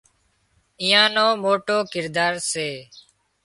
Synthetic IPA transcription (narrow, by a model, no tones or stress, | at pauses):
ijãːnoːmoːʈoːkɪɾd̪aːɾseː